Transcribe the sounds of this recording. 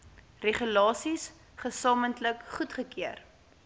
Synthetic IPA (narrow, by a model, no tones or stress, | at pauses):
reχylɑːsis | χəsɑːməntləkχutχəkiər